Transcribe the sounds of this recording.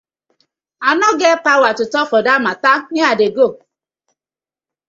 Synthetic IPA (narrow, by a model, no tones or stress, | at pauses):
anɔɡepawatʊtɔkɔdamatanɪadeɡo